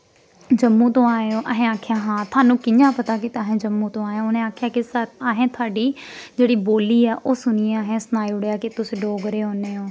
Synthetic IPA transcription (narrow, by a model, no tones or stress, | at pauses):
d͡ʒəmːũːt̪õːaːjoːʔəɦẽːaːkʰɪjaːɦãːt̪ʰaːnũːkɪɲãːpət̪aːkɪt̪aːɦẽːd͡ʒəmːũːt̪õːaːjãːʊnẽːaːkʰjaːkɪsəaːɦẽːt̪ʰaːɖiːd͡ʒeːɽiːboːliːɛːʔoːsʊniːãːɦẽːsnaːiːʊɽjaːkɪt̪ʊsɪɖoːɡəɾeːɦoːneːoː